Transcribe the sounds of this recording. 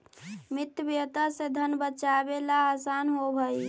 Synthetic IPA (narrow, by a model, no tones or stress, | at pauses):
mit̪əbjət̪ased̪ʱənbət͡ʃabelaːsanɦobʱəj